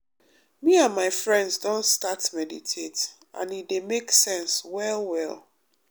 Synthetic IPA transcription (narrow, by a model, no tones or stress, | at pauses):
miãnmaɪfɹɛ̃ndzdɔ̃nstatmɛditʰet | ã̰nidemeksɛ̃nswɛlwɛlˠ